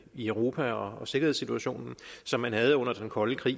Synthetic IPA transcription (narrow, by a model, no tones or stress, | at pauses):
iœʊʁo̝ːpʰæɒ̽ɒ̽se̝ɡɐheð̰ˠsit͡sʰuæɕo̝̰ːnn̩sɒ̽mːænhæð̞ˠɔ̽n̰ɐd̥enkʰɒ̽ləkʰʁḭː